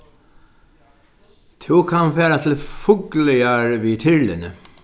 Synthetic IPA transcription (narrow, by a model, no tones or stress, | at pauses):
t̪ʰɪwkʰanfɛːɾat̪ʰɪlfʊklɪaɾviːt̪ʰɪɹlɪ̰nə